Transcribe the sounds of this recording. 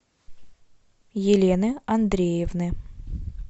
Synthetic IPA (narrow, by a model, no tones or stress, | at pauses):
jɪlʲenɨɐnd̪ɾʲejɪvnɨ